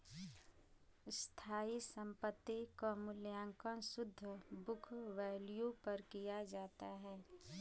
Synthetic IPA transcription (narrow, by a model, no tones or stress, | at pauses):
st̪ʰaːisə̃mpət̪ːikomʊljãːŋkə̃nsʊd̪ʱːəbʊkʰʋɛːlijupɐɾkijad͡ʒaːt̪aɦɛː